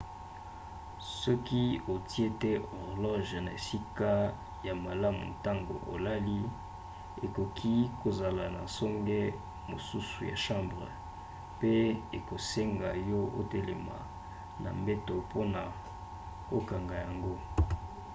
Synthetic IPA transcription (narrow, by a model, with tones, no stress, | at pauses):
sɔ˦ki˦o˨ti˦e˦tɛ˦ɔ˨ʁlɔ˦ʒna˨e˨si˦ka˦ | ja˨ma˨la˦mṵ˨ta˦ŋɡo̰˨ʔo˨la˦li˦ | e˨ko˨kʰi˦ko˨za˨la˨na̰˨sɔ˦ŋɡɛ˦ | mo˨su˦su˨ja̰˨ʃã˦mbʁə˨ | pe˦e˨ko˨se˦ŋɡa˨jɔ˦o̰˦te˦le˨ma̰˨ | na̰˨mbe˦to˨po˦na˨ | o˦ka˨ŋɡa˨ja˨ŋɡo˦